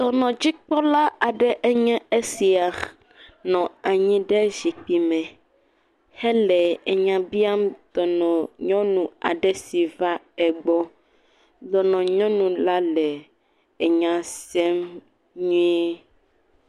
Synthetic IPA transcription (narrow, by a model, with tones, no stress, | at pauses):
t̪ɔ˨nɔ̃˨d͡ʑi˦k͡pɔ˦la˦a˨ɖɛ˦ʔe˦ɲɛ̃˦e˦si˨a˨ | nɔ̃˨a˨ɲĩ˦ɖɛ˦zi˨k͡pi˨mɛ̃˨ | hɛ˦lɛ˨e˨ɲã˨bi˦a˦md̪ɔ˨nɔ̃˨ɲɔ̃˦nũ˨a̰˨ɖɛ˦si˨va˦ | ɛ˨ɡ͡bɔ˦ | d̪ɔ˨nɔ̃˨ɲɔ̃˦nũ˨la˦lɛ˨ | e˨ɲã˨sɛ˦m | ɲũ˦ɛ˦